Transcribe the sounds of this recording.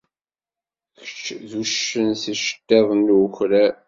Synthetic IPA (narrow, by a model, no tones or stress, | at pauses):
çə̥t͡ʃːðuʃənsiʃə̥t̪ːæðˤənːçɾæ